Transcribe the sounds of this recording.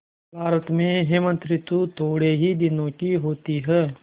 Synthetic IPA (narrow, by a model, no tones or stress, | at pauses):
bʱaːɾət̪mẽɦɪmə̃nt̪ɾɪt̪wut̪ʰoːɽeɦid̪ɪnõkiɦoːt̪iɦɛː